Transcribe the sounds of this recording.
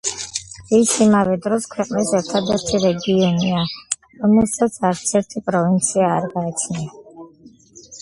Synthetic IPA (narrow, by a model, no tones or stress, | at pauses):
isimavɛd̪ɾɔskʰwɛqʼnisɛɾt̪ʰad̪ɛɾt̪ʰiɾɛɡiɔnia | ɾɔmɛlˠsat̪sʰaɾt̪sʰɛɾt̪ʰipʼɾɔvint̪sʰiaːɾɡaːt͡ʃʰnia